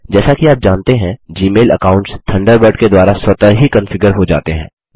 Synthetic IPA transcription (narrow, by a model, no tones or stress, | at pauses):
d͡ʒɛːsakiaːp̚d͡ʒãːnt̪eɦɛ̃d͡ʒiːmeːlə̰kaːʊ̃ɳʈst̪ʰɐ̃ɳɖəɾbəɖked̪waːɾaswɐt̪aɦikɐ̃nfɪɡəɾɦod͡ʒa̰ːt̪eɦɛ̰̃ː